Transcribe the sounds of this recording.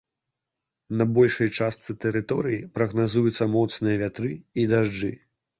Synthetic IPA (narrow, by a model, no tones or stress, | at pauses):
nɐbɔlʲʂɐjt͡ʂast̪sɨt̪ɛɾɨt̪ɔɾɨjipɾɐɣnazujut̪sːɐmɔt̪snɨjɐvʲat̪ɾɨid̪aʐd͡ʐɨ